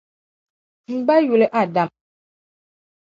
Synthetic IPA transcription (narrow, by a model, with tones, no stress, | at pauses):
ŋ͡m̩˦ɡ͡ba˦ju˨le˨ʔa˦˨da˨m